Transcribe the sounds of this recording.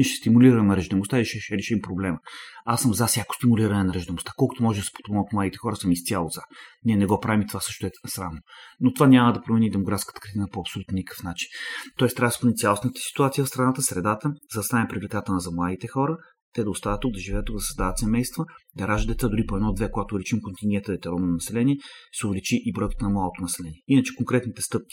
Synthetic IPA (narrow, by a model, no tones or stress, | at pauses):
ɛʃɛ̥st̪imuliɾɐəmɾəʒd̪ɛmʊst̪aiiʃɛʃɛɾɛʃimpɾoblɛməasəmzasʲjakʊ̥st̪imuliɾɐnɛnɐɾəʒd̪ɛmost̪ḁkɔlˠkot̪omɔʒɛd̪ɐsɛ̥po̥t̪ːot̪mlˠad̪it̪ɛ̥xɔɾəsəmist̪sʲalˠozaniɛnɛɡɔpɾavimt̪ovasɤʃt̪ʊɛsɾavnonot̪ovanʲaməd̪ɐpɾomɛnid̪ɛmoɡɾat̪skət̪ə̥kɾt̪inəpoɐpsolʲut̪nnʲikɤ̥fnat͡ʃint̪ɔɛst̪ɾavspnit̪sʲalˠosnət̪ə̥si̥t̪uat̪siəfst̪ɾɐnat̪əsɾɛd̪at̪əzɐd̪ɐst̪anʲɛpɾivlikat̪ənəzɐmlˠad̪it̪ɛxɔɾə | t̪ɛd̪ɐʊst̪avət̪ːuɡ̚d̪ɐʒivɛət̪ːuɡ̚d̪ɐsəzd̪avət̪sɛmɛjst̪vəd̪ɐɾaʒəd̪d̪ɛt̪sad̪ʊɾipoɛd̪nɔd̪vɛkoɡat̪ovlɛt͡ʃimkont̪inɡʲɛnt̪əvɛt̪ɛɾɔnonɐsɛlɛniɛsɛʊvlɛt͡ʃiʔibɾɔjkə̥t̪ənɐmlˠalˠot̪onɐsɛlɛniɛinət͡ʃɛ̥kõŋkɾɛt̪nit̪ɛst̪ɤp̚kʲi̥